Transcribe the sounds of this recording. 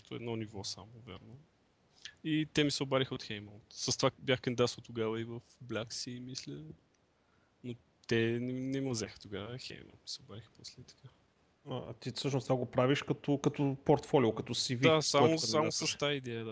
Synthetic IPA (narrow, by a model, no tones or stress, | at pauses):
t̪oɛd̪nɔnivɔsa̰mʊvɛ̰ɾno | it̪ɛmisɛobaɾixəot̪xɛjmɔt̪səst̪vabʲjaxkənid̪at̪st̪ʊɡavəivəfblʲaksiːmislɛ | no | t̪ɛnɛnɛmɐzɛxə̥t̪oɡavəxɛ̰jmɔ̰t̪mi̥sɛobaɾixə̥poslɛit̪ɐ̥kʰa | aa̰t̪isɤʃnʊst̪vaɡopɾaviʃkɐt̪ɔkɐt̪ɔpoɾt̪fɔlʲiʊkɐt̪ɔsivid̪asamʊamʊsɐst̪aid̪ɛəd̪a